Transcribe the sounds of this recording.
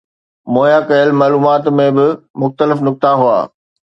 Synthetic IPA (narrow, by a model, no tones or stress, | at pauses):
moːjakɐjəlmaːluːmaːt̪mẽbɪmʊxt̪əlɪfnʊk̚t̪aɦua̰ː